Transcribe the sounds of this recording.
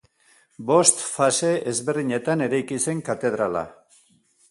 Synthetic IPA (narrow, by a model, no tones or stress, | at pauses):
bo̞st̪fase̞ezβe̞rðiɲe̞t̪ane̞ɾajkise̞ŋkat̪e̞ð̞ɾala̰